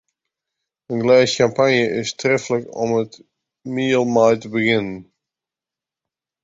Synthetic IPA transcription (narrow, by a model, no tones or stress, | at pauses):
ənɡlɛjskampanjəʔɪstrɛfələkɔ̰mət | miəlˠmajtəbəɣɪnən